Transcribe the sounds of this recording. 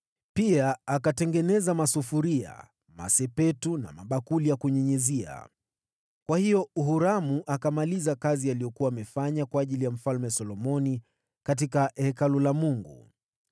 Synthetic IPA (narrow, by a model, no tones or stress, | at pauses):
piaakatɛŋɡɛnɛzamasufuɾia̰ | ma̰sɛpɛtuna̰maɓakulijakuɲɛɲɛzia̰ | kwahijɔuɦuɾamuʔakamalizakazialijɔkuwaːmɛfaɲakwaːʄilijam̩falmɛsɔlɔmɔni | kat̬ikahɛkalulamuŋɡṵ